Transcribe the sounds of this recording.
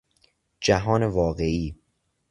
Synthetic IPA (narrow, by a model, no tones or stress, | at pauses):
d͡ʒæɦɒːnevɒːɣeʔiː